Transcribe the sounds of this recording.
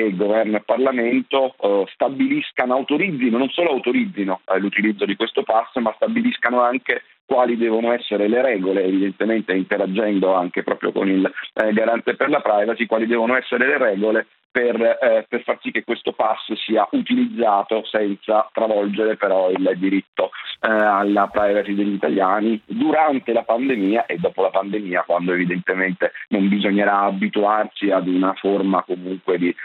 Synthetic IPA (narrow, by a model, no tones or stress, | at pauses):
eɡovɛrnoepːarlament̪ost̪abiliskanoawt̪oɾid̪zːinononsoːloawt̪oɾid̪zinolut̪ilid̪zːod̪ikwest̪opasːmast̪abiliskanoaŋke | kwaːlid̪ɛːvonoɛsːeɾeleɾɛːɡoleːvid̪ent̪ement̪eint̪eɾad͡ʒːɛnd̪oaŋk̟epɾɔ̰ːpɾjo̰ko̰nilɡaɾant̪eperlapɾajvasikwaːlid̪ɛːvonoɛsːeɾeleɾɛːɡole | perperfarsikːekːwest̪opasːsiːaʔut̪ilid̪zːaːt̪osɛnt̪sat̪ɾavɔld͡ʒeɾepeɾɔild̪iɾit̪ːoalːapɾajvasid̪eʎːit̪aljaːnid̪uɾant̪elapand̪emiːaʔed̪ːɔːpolapand̪emiːakwand̪oevid̪ent̪ement̪enombizoɲːeɾaːbit̪uart͡ʃiad̪unaformakomuŋkwed̪i